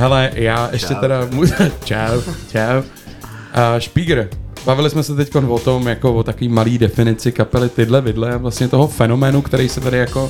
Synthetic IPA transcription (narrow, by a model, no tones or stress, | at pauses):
ɦɛlɛjaːʔɛʃcɛt̪ɛɾamuat͡ʃawt͡ʃaw | ʔəʃpiɡɾbavɪlɪsmɛsɛt̪ɛcko̞nvot̪omjako̞vot̪akoviːmaliːdɛfɪnɪt͡sɪkapɛlɪt̪ɪdlɛbɪdlɛavlast̪ɲɛt̪o̞ɦofɛno̞mɛːnukt̪ɛɾɛjsɛt̪aɾɪjako̞